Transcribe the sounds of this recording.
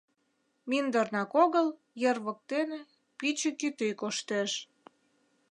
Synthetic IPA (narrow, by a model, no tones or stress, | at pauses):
mind̪ərnɑkoɣəl | jerβək̚t̪ene | pit͡ɕĕkyt̪øjkoʃt̪eʃ